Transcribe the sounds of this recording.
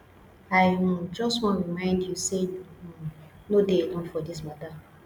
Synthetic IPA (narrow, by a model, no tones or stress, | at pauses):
aɪ̃d͡ʒɔstwɔ̃nɹimãɪ̃ndjuse | nodeelɔ̃nfɔdis̬mɔda